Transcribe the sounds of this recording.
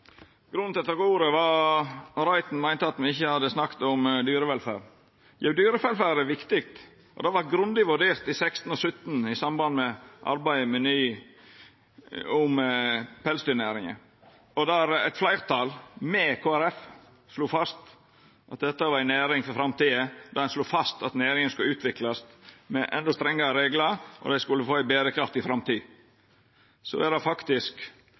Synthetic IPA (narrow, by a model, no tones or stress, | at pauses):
ɡ̥ɾʉnt̪ɛt̪ːəɾɡuːɾəʋɑ | ɾɑɪt̪n̩mæɪnt̪əɑt̪mɛɪçːəhɑd̪ːəsnɑkt̪ɔmd̪yːɾəʋɛlfæ̰ːɾ | jæʉd̪yːɾəfɛlfæːɾəʋɪkt̪ɪk̚t̪ | ʔɔ̰d̪ɛʋɑtɡɾʉnd̪ɪʋʉɖeːɾt̪ɪsɛkst̪n̩ɔsʉt̪ːnɪsɑmbɑnd̪mɛʔɑ̰ɾbæɪmɛnyː | ʊmpʰɛlsd̪ʏnæːɾɪŋə̰ | ɔd̪ɑɾæ̰ɛt̪flæɪɾt̪ʰɑlmɛkʰoːæɾɛf | sluːfɑst̪ | ʔɑt̪̚d̪ɛt̪ːəʋɑɾæɪnæːɾɪŋfɔfɾɑmt̪iːəd̪ɑd̪ɛnsluːfɑst̪ɑt̪næːɾɪŋənskʉləʉːt̪ʰʋɪklɑsmɛʔɛ̰nd̪ɔst̪ɾɛŋːɑɾəɾeːɡləɾʔɔ̰d̪æɪskʉlːəfoːæbeːɾəkʰɾɑft̪ɪfɾɑmt̪iː | sɔ̰æɾd̪ɑfɑkt̪ɪsk